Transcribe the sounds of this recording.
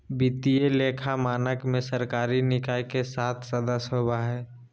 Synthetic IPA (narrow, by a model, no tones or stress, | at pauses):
bit̪ijeleːkʰamaːnəkmẽsəɾkaːɾinɪkaːikesaːt̪ʰsəd̪əsɦobaɦɛː